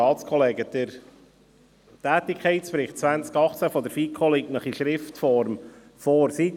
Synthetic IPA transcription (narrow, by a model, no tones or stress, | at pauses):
ɑːtt͡skʰɔleːɡəd̪̥əɾ | tæːt̪ɪkʰɛɪtsfɾɪχtt͡sʋænt͡skɑχt͡sæfɔd̪əɾfiːkʰoliknəχiʃɾɪftfɔɾm | fɔɾsit